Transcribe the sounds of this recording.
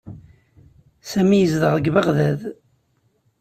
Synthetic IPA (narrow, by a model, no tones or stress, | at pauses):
sæmijəzðəʁðəɡvəʁðæð